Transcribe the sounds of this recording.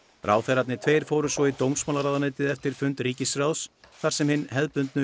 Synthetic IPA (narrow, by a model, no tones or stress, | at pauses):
rʔaːwθɛjɾat̪nɪt̪ʰvejɾ̥fowɾʏsvɔit̪oːwmsmawlaɾaðaneːt̪ɪðɛft̪ɪɾ̥fʏnt̪riːcɪsɾaws | θaɾ̥sɛmhɪnːɦɛðpʏnt̪nʏ